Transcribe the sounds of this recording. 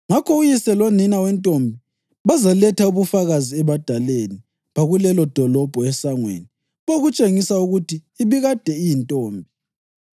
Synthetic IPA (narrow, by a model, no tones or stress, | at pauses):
ŋakʰɔujisɛloninawɛntʼombʱi | βazalɛtʰauβufaɣaziɛβad̥ʱaleni | βaɣulɛlɔd̥ʱɔlɔb̥ʱɔɛsaŋwḛni | βoɣut͡ʃʼeŋisauɣutʰiːβiɣad̥ʱɛijintʼoːmbʱi